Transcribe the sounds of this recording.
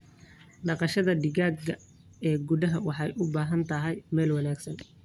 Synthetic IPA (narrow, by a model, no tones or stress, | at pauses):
ɖɑqɑʃɐðɐɖɪɣaːɡɐ | ɛːɡuðɐɦɐwɑħɑjʔʊbaːɦɐnt̪ʰɐɦɛjmɛːlwɑnaːɡsɐn